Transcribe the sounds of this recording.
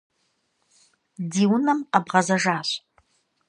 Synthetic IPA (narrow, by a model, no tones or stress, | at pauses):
diːwnɐmabʁɐzɐʒaːɕ